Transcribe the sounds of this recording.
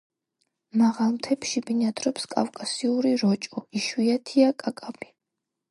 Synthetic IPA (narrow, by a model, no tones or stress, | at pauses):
maʁalˠmt̪ʰɛpʃibinad̪ʼɾɔpskʼa̰fkʼasiuɾiɾɔt͡ʃʼɔiʃwiat̪ʰiakʼakʼabi